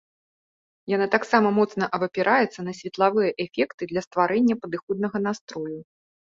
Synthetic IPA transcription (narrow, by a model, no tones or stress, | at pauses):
janat̪aksamɐmɔt̪snɐʔɐbɐpʲɛɾʔajɛt̪sːɐnɐsʲvʲɛt̪lˠavɨjɐʔɛfʲɛkt̪ɨd̪lʲɐst̪vaɾɛnʲːɐpɐd̪ɨxɔd̪̚nɐɣɐnast̪ɾɔju